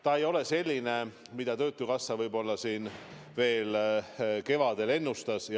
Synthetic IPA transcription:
t̪ɑe̞jo̞le̞se̞lʲːine̞ | mid̪̥ɑt̪ø̞ːt̪ːˑukɑsːɑvɤjbo̞lːɑsiːn | ve̞ːl | ke̞vɑd̪̥e̞le̞nːust̪ɑsj

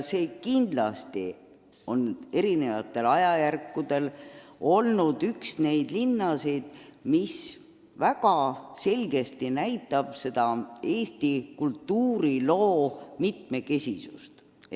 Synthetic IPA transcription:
se̞ːkind̪̥lɑst̪ḭ | o̞ne̞ɾine̞vɑt̪ˑːe̞lɑjɑjærkːud̪̥e̞lo̞lnud̪̥yksne̞jd̪̥linːɑsejd̪̥mis | væɡ̥ɑse̞lʲɡe̞st̪inæjt̪ːˑɑb̥se̞d̪̥ɑe̞ːst̪ikult̪ːuːɾilo̞ːmit̪me̞ke̞sʲisṵst̪

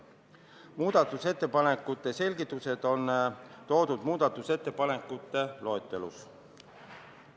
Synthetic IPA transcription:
muːd̪̥ɑt̪ːˑuse̞t̪ːe̞pɑnekːˑut̪ːˑe̞se̞lʲɡit̪ːˑuse̞d̪̥o̞nt̪o̞ːd̪ud̪muːd̪ɑt̪ːˑuse̞t̪ːe̞pɑne̞kːˑut̪ːe̞lo̞et̪ːˑe̞lṵs

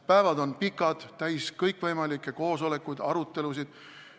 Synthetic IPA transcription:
pæevɑd̪o̞npikːˑɑd̪̥t̪æjskɤjkvɤjmɑlikːˑeko̞ːso̞le̞kːˑujd̪̥ɑ̰ɾut̪ːˑe̞lusid̪̥

